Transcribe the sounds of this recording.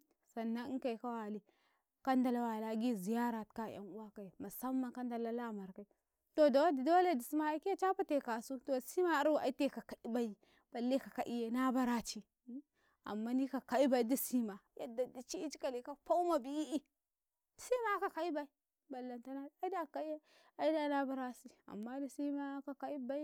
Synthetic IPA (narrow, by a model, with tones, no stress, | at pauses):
sa˨nːa˦ka˨i˨ka˦wa˨li˦ | ka˦nda˦la˦wa˨la˦ɡi˦˨zi˨ja˦ɾa˨tka˨a̰˨nu˦wa˦ka˨i˨mu˨sa˦mːa˨ka˦nda˨la˦la˦ma˨ɾka˨˦ | to˨da˨wa˦di˨do˦le˦˨di˨sma˦˨˦kt͡ʃa˦pa˦te˨ka˨su˦to˨si˦ma˦a˦ɾwu˦˨ʔa˨i˦te˦ka˨ka˨i˦ba˦i˨˦ | b̥a˨lːe˦ka˨ka˨ʔi˦je˦na˦ba˦ɾa˦t͡ʃi˦ | a̰˨mːa˦ni˦ka˨ka˨i˦ba˨i˦di˦si˦ma˨ja˦da˨di˨t͡ʃi˦i˦t͡ʃi˦ka˨li˨ka˦pa˦u˦ma˨bi˦i˦ʔi˦˨ | si˦ma˦ka˨ka˨i˦ba˨i˦ | ba˨lːa˨nta˦na˦a˦i˦da˦ka˨i˦ja˦ | a˦i˦da˦na˦ba˦ɾa˦si˦a̰˨mːa˦di˦si˦ma˦ka˦ka˨i˦ba˦i˦